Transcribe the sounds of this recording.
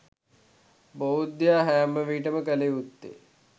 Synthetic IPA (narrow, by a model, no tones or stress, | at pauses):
boɦut̪̚d̪jaːɦɐjamːəʋiːʈ̬əməkəleːut̪ːḛː